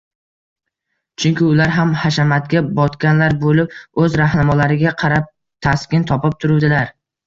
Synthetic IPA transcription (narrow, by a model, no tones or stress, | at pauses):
t͡ʃʰʊŋkʲɪʊlaɾɦamhaʃamat̪ɡʲabɒt̪kʲanlaɾbolɪp̚ɵzɾahnamɒlaɾɪɡʲaqʰɑɾap̚ | t̪ʰaskʲɪnt̪ʰɒpɪp̚t̪ʰʊɾud̪ɪlaɾ